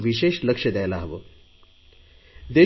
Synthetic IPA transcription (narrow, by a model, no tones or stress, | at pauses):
ʋiɕeʃləkʂəd̪ɛjlaɦəʋoː | d̪e